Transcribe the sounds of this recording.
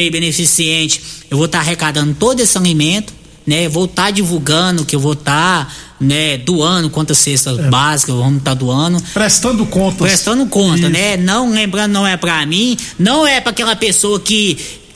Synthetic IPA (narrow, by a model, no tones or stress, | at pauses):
jbẽnefisiẽt͡ʃɪ̥ewvot̪aɦekad̪ɐ̃nd̪ʊt̪od̪ʊesɪ̥sɐ̃ŋɡimẽt̪ʊ̥ | nɛvot̪ad͡ʒivuɡɐ̃d̪ʊkɪewvot̪a | nɛd̪uɐ̃d̪ʊkwɐ̃nt̪ɐsest̪ɐbazikɐvɐ̃nt̪ad̪uɐ̃nʊpɾest̪ɐ̃nd̪ʊkõnt̪ɐpɾest̪ɐ̃nd̪ʊkõnt̪ɐnɛnɐ̃w̃lẽmbɾɐ̃nd̪ʊnɐ̃w̃ɛpɾamĩnɐ̃w̃ɛpɾakɛlɐpesoɐkɪ